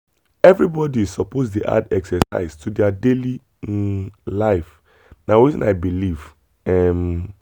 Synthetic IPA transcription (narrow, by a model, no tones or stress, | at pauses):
ɛvɹibɔdizsɔpozdeʔa̰dɛksɛsa̰ɪztʰudɛadeli | laɪf | nawitĩnaɪbiliv | ɛm